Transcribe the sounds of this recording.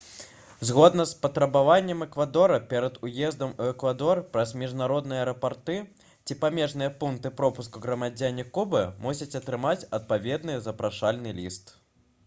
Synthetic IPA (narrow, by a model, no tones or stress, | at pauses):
zɣɔd̪nɐspɐt̪ɾɐbavanʲːɛmɛkvad̪ɔɾɐpʲɛɾɐd̪ujɛzd̪ɐmuɛkvad̪ɔrpɾɐzmʲiʐnaɾɔd̪nɨjɐɛɾɐpart̪ɨ | t͡sʲipamʲɛʐn̪ɨjɐpunk̚t̪ɨpɾɔpuskuɣɾɐmad͡zʲanʲːɛkubɨmusʲɐt͡sʲɐt̪ɾɨmat͡sʲɐt̪̚pavʲɛd̪nɨjzɐpɾaʂalʲnɨlʲist̪